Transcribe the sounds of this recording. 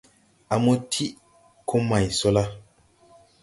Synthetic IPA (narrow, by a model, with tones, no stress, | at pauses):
a˨mo˦tʰi˦ | kʰo˦ma˨jso˦la˦